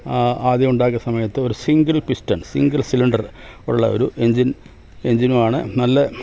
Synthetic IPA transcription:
aːd̪jɐmuɳɖaːkːɐsɐmɐjɐt̪ːɨo̞ɾusiŋɡɐlpistɐnsḭŋɡɐlsiliɳɖɐroɽuɭːɐo̞̰ɾuʔe̞ɲd͡ʑin | e̞ɲd͡ʑinumaːɳɨnɐlːɐ

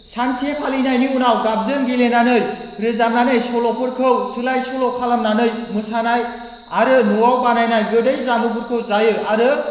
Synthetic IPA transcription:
sansʰiepʰalinajniunawɡab̚zɯnɡilenanɯjɾɯzamnanɯjsɔlɔpʰɯɾkʰɯwsɯlajsɔlɔkʰalamnanɯjmɯsanaj | aɾɯnuwawbanajnajɡɯdɯjzamuɡuɾkʰɯwzajɯaɾɯ

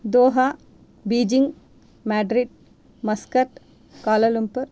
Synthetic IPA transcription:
d̪oːɦa | biːd͡ʒiŋɡ | maːɖɾiɖ | mɐskɐʈ | kaːlɐlumpɐɾ

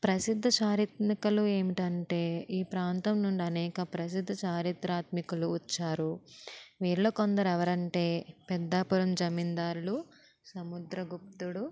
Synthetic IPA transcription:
pɾɐsid̪ʱːɐt͡ʃaːɾit̪mikɐlue̞ːmiʈɐɳʈe̞ːiːpɾaːnt̪ɐmnuɳɖiɐnɛːkɐpɾɐs̬id̪ʱːɐt͡ʃaːɾit̪ɾaːt̪mikuluit͡ʃːaːɾu | ʋiːɾlo̞ːkond̪ɐɾɛʋɐɾɐɳʈe̞ːpɛd̪ːaːpuɾɐmd͡ʒɐmind̪aːɾulu | sɐmud̪ɾɐɡup̚t̪uɽu

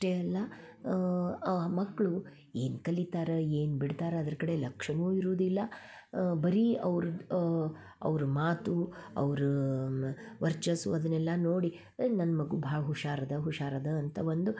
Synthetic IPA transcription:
ʈeɐlːɐ | mɐkːɭu | e̞ːnkɐlit̪aːɾeeːnbiɽt̪aːɾeɐd̪ɐɾkɐɽe̞lɐkʂɐnuːiɾuːd̪ilːɐ | bɐɾiɐʋɾu | ɐ̰ʋɾumaːt̪uɐ̰ʋɾu | ʋɐɾt͡ʃɐsuɐd̪ɐnɛlːɐnoːɽi | nɐnːɐmɐɡubʱaːɡɐɦuʂaːɾɐd̪ɐɦuʂaːɾɐd̪ɐːnt̪ɐʋond̪u

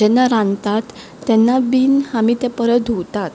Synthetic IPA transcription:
ɛnːaɾãnt̪at̪ː | ɛnːabiːnhamiːt̪ɛ̃pəɾəd̪ʱowt̪at̪

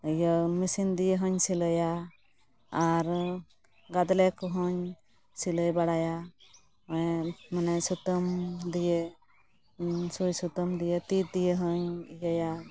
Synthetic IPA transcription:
jɔmisind̪ijeɦɔɲsiləjaː | ɾ | ɡad̪lɛkɔɦɔɲ | siləjbaɽaja | manɛsut̪ɔmd̪ije | sujsut̪ɔmd̪ijet̪it̪̚d̪ijeɦɔɲijɔja

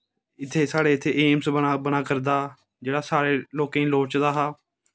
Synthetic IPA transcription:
ɪt̪ʰːeːsaːɽeːɪt̪ʰːeːʔeːmsbənaːbənaːkəɾd̪aː | d͡ʒeːɽaːsaːɾeːloːkẽĩːloːt͡ʃd̪aːɦaː

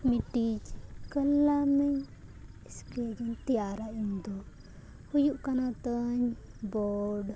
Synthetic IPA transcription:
miʈid͡ʒkəlːamɛɲ | isked͡ʒɔnt̪ijaɾaʔind̪ɔ | hujuʔkanat̪əɲ | bɔɖ

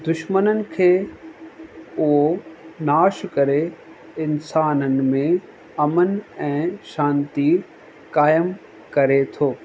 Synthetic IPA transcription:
d̪ʊʃmənənɪ̆kʰeː | ʊɦonaːʃkɐɾe | ɪnsaːnənɪ̆mẽ | ɐmənɛ̃ːʃãːnt̪i | kaːjəm | kɐɾet̪ʰoː

